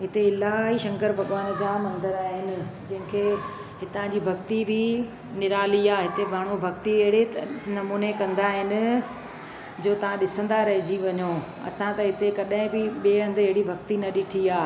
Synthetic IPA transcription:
ɦɪt̪eɪlaːɦiʃɐ̃ŋkəɾpɐɡʋaːn̆d͡ʑamɐ̃nd̪əɾaːɦɪnɪ̆d͡ʑɐ̃ɦɪ̃kʰe | ɦɪt̪ãd͡ʑibʱɐkt̪ibʱɪ | nɪɾaːliaːɦɪt̪ebʱaːɽ̤̃obʱɐkt̪iɐɦɪɽenɐmuːnekɐ̃nd̪aɦɪnɪ̆ | d͡ʑoːt̪ɐʋ̤ãɗɪsə̃nd̪aɾɐɦɪd͡ʑiʋɐɲoː | ɐ̰sãt̪ɐɦɪt̪ekɐɗɦɪ̃bɪɓieːɦɐ̃nd̪ɪɦɪɽibʱɐkt̪inɐɗɪʈʰiaː

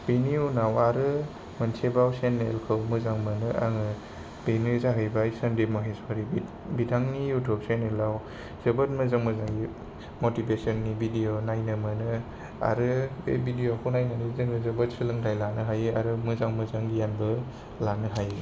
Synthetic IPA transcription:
b̥eniunawaɾɯ | mɐnsʰebawsenːelkʰɯwmɯzaŋmɯnɯʔa̰ŋɯ | b̥enɯzaɦɯjbajsɐndemaɦesɔaɾi | bidʱaŋnijutʰup̚senelaw | z̥ɐbɯt̚mɯzaŋmɯzaŋɡi | motibesɔnːibidionajnɯmɯnɯ | a̰ɾɯebʱidijokʰuwnajnanizɯŋɯzɯbɐt̚sɯlɯŋdʰajlanɯɦajɯaɾɯmɯzaŋmɯzaŋɡijanbɯ | lanɯɦaje

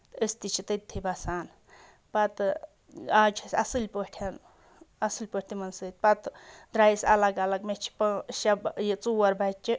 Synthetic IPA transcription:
t̪əst̪it͡ʃʰit̪ɐt̪ʰːibɐsaːn | pɐt̪ | aːt͡ʃʰisʲɐsɨlʲpəʈʰɐn | ɐsɨlʲpəʈʰʲt̪imɐnsɨt̪̚ʲpɐt̪d̪ɾaːjsɐ̰lɐɡɐlɐɡmet͡ʃʰi̥pɐsɐbjet͡suwɐɾbat͡ʃʲːi

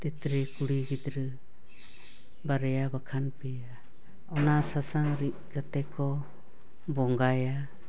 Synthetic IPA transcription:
t̪it̪ɾɛkuɽiɡid̪ɾə | baɾɛjabakʰanpɛja | ɔnasasaŋɾit̪̚kat̪ɛkɔ | bɔŋɡaja

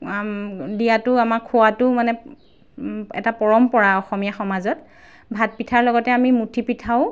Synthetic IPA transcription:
dijatʊamakʰʊwatʊmanɛ | ɛ̰tapɔɹɔmpɔɹaɔxɔmijaxɔmazɔt | bʱat̚pitʰaɹlɔɡɔtɛamimutʰipitʰaʊ

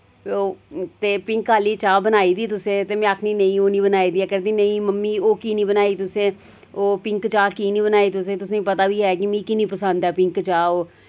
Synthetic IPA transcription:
oːt̪eːpɪ̃ŋkaːliːt͡ʃaːbənaːiːd̪iːt̪ʊsẽːt̪eːmɛ̃ːəkʰniːnəĩːoːnĩːbənaːiːd̪iːɛkəɾd̪iːnəĩːməmːiːoːkiːnĩːbənaːiːt̪ʊsẽː | oːpɪŋkt͡ʃaːkiːniːbənaːiːt̪ʊsẽːt̪ʊsẽːpət̪aːbiːɦɛːkimĩːkinĩːpəsə̃nd̪ɛːpɪŋkt͡ʃaːoː

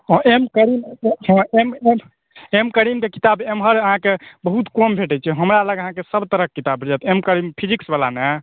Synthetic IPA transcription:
ɔ̃ʔemkəɾimɦɔ̃eme | emkəɾimkekit̪abemɦəɾəɦãkebəɦut̪kombʱeʈɛt͡ʃʰɛɦəmɾaləɡəɦãkesəbt̪əɾəkːit̪abid͡ʒat̪emkəɾimpʰid͡ʒiksbala̰ne

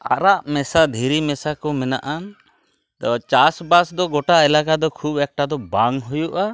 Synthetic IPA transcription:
a̰ɾaʔmɛsad̪ʱiɾimɛsakɔmɛnaʔan | d̪ɔt͡ʃasbasd̪ɔɡɔʈaɛlakad̪ɔkʰubɛk̚ʈad̪ɔbaŋɦujuʔa

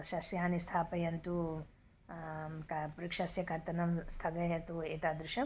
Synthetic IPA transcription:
ʃɐsjaːnist̪ʰaːpɐjɐnt̪u | kɐpuɾikʂɐsjɐkɐɾt̪ɐnɐmst̪ʰɐɡɐjɐt̪ueːt̪aːd̪ɾuʃɐ

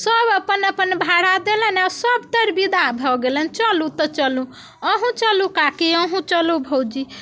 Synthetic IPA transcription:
səbəpənəpənbʱaɽ̤ad̪elənaʊsəbt̪əɾbid̪abʱɔɡelənt͡ʃəlũt̪ət͡ʃəlũ | əɦũt͡ʃəlũkakiəɦũt͡ʃəlubʱod͡ʒi

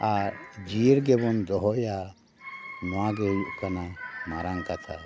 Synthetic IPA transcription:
aɾd͡ʒiɾɡɛbɔnd̪ɔɦɔja | nɔaɡɛjuʔkanamaɾaŋkat̪ʰa

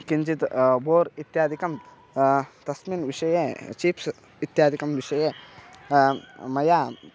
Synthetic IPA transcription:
kiɲd͡ʒit̪boːɾit̪jaːd̪ʱikɐm | t̪ɐsminʋiʂɐjet͡ʃiːps | it̪jaːd̪ʱikɐmʋiʂɐje | mɐjaː

